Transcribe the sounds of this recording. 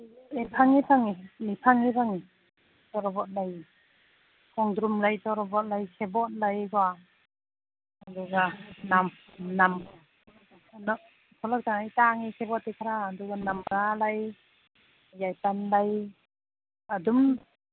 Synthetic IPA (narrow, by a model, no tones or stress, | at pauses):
epʰaŋipʰaŋimipʰaŋipʰaŋi | tɔɾɔbɔt̚laj | kʰɔŋdɾumlajtɔɾɔbɔt̚lajkʰebɔt̚lajɡɔa | duɡanam | nam | nɔ | kʰɔlak̚taŋajtaŋikʰebɔt̚ːekʰaɾaːduɡanamɾalaj | jajtanlaj | adum